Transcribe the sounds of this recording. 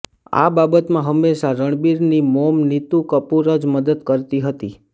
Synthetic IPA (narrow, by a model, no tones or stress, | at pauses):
a̰babət̪mãɦəmːeʃaɾəɳ̃biɾnimomnit̪ũkəpuɾəd͡ʒməd̪əd̪kəɾt̪iɦət̪i